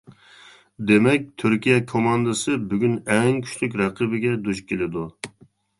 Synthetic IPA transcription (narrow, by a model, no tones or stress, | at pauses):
d̪emɛk̚ʲt̪ʰyɾkʲijɛkʰomɑnd̪ɨsɨbyɡʲynɛŋkʲʰy̥ʃlyk̬ʲɾɛqʰəbɪɡʲɛd̪uʃkʲʰelɪd̪u